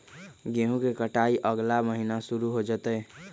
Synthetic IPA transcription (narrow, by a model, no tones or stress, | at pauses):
ɡeɦũkekəʈaiʔəɡlaməɦinasuɾuɦod͡ʒət̪əː